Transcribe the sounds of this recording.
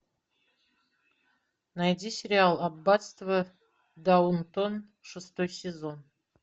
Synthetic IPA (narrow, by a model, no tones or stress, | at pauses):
najdʲisʲerʲialˠabbːat̪st̪vɐ | d̪awunt̪ʰon | ʂɨst̪ʰojsʲezon